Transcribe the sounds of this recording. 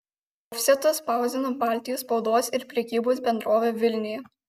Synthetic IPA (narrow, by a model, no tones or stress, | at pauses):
ɔfʲsʲɛt̪ɐspɑˑʊzʲɪnoːbɑˑlʲt̪ʲɪjospɒʊd̪oːsɪɾpʲɾʲɛkʲiːboːs̬bʲɛnd̪ɾoːʋʲeːʋʲɪlʲnʲɪjɛ